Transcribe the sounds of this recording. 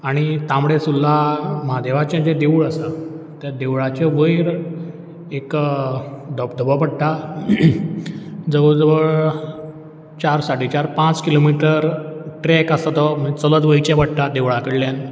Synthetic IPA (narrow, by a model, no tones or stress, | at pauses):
aɽ̃it̪ãmɽesulːaməɦad̪eʋat͡ɕãd͡ʑed̪euɭəsa | t̪jad̪eʋɭat͡ɕɔʋəjɾ | ek | d̪ʱəbd̪ʱəbəpəɽʈ̪a | d͡zəʋəɭd͡zəʋəɭ | t͡ɕaɾsaʈit͡ɕaɾpãt͡skilomiʈəɾʈɾɛkasat̪ɔmət͡sələd̪ʋəjt͡ɕɛ̃bəɽʈ̪ad̪eʋɭakəɽljan